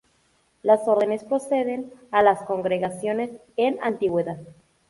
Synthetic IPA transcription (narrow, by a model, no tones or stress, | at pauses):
laso̞ɾðene̞spɾo̞se̞ðe̞nalasko̞ŋɡɾe̞ɣasjo̞ne̞s | ena̰nt̪iɣwe̞ðað